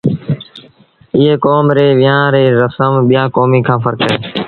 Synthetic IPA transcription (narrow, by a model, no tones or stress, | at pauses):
ɪɦeːkoːmɾeːʋɪjãːɾeːɾəsəmɓɪjãːkoːmiːkʰãːfəɾkəeː